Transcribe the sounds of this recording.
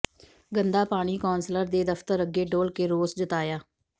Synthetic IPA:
ɡənd̪aːpaːɽ̃iːkoːnsləɾd̪eːd̪əft̪əɾəɡeːɖoːlkeːɾoːsd͡ʒət̪aːjaː

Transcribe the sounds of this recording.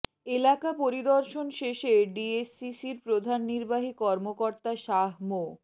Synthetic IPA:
elakapoɾid̪ɔɾʃonʃeʃeɖiesːisiɾpɾod̪ʱanːiɾbaɦikɔɾmokoɾt̪aʃaɦmo

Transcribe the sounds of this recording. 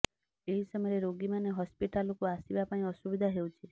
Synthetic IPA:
eɦisɔmɔjɾeɾoɡimaneɦɔspiʈalokuasibapaĩɔsubid̪ʱaɦewt͡ʃʰi

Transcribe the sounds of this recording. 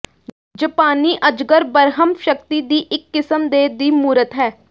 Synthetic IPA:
d͡ʒəpaːniːʔəd͡ʒɡəɾbəɾɦəmʃəkt̪iːd̪iːʔɪkːɪsəmd̪eːd̪iːmuːɾət̪ɦɛː

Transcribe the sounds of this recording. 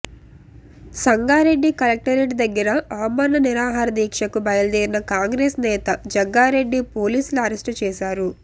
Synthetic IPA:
sɐŋɡaːɾe̞ɖːikɐlɐk̚ʈɐɾeʈd̪ɐɡːɐɾɐaːmɐɾnɐniɾaːɦaːɾɐd̪iːkʂɐkubɐjɐlɐd̪iːɾinɐkaːŋɡɾeːsnɛːt̪ɐd͡ʒɐɡːaːɾe̞ɖːipo̞ːliːsuluɐɾesʈt͡ʃɛːʃaːɾu

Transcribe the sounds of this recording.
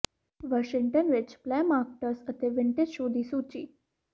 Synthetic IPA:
ʋɔʃɪŋʈənʋɪt͡ʃplɛmaːk̚ʈəɾsət̪eʋɪɳʈed͡ʒʃoːd̪isut͡ɕiː

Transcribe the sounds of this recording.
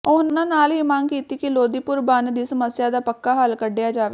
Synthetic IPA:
ʊnãːnaːliːmaːnkiːt̪iːkiloːd̪iːpʊɾbaːnd̪iːsəməsɪjaːd̪aːpəkːaːɦəlkəɖɪjaːd͡ʒaːʋeː

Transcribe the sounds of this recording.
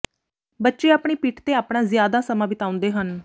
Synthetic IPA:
bətːʃeːaːpɳeːpiːʈʰt̪eːaːpɽãːzjaːd̪aːsəmaːbɪt̪ãːʊ̃nd̪eːɦən

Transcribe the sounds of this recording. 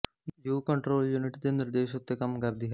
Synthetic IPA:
juːkɐɳʈɾoːljuniʈd̪eniɾd̪eːʃot̪ːekɐmɡɐɾd̪iɦɐ

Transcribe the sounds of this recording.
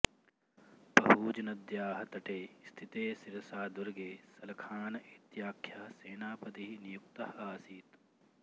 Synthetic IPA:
pɐɦuːd͡ʒɐnɐd̪jaːɦɐt̪ɐʈeːst̪ʰit̪eːsiɾɐsaːd̪uɾɡeːsɐlɐkʰaːnɐʔit̪jaːkʰjaɐseːnaːpɐd̪iɦinijukt̪ɐɦɐːsiːt̪

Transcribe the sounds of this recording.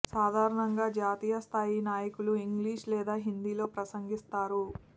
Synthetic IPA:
saːd̪ʱaːɾɐɳɐŋɡaːd͡ʒaːt̪iːjɐst̪ʰaːjinaːjɐkuluiŋɡliːʂlɛːd̪aːɦind̪iːlo̞ːpɾɐsɐŋɡist̪aːɾu

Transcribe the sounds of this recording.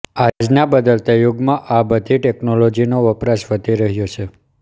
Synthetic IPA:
ad͡ʒnabəd̪əlt̪ajoɡmãʔabəd̪ʱiʈeknolod͡ʒinoʋəpɾasʋəd̪ʱiɾəɦjot͡ʃʰe

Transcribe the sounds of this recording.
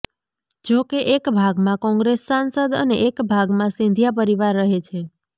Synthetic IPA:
d͡ʒokeʔekbʱaɡmãkɔ̃ŋɡɾesːansəd̪ə̰neʔekbʱaɡmãsĩnd̪ʱijap̬əɾiʋaɾːəɦet͡ʃʰe

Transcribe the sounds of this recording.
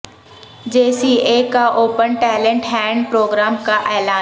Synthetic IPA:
d͡ʑeːsieːkaʔoːpənʈɛːlə̃ɳʈɦɛ̃ːɳɖpɾoːɡɾaːmkaʔeːlaː

